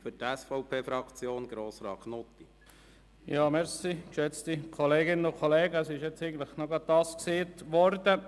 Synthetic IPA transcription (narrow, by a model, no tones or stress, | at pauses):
fʏɾtɛsfɔʊpʰeːfɾɑkt͡sjoːnɡ̥ɾoːsɾɑːkʰnot̪i | jɑːmɛɾsikʃɛt͡stikʰoleːɡɪnənʊkʰoleːɡəəsɪʃjɛt͡seɪɡən̩t̪lɪχnɔɡɑt̪̚tɑːskseːtʋɔɾdə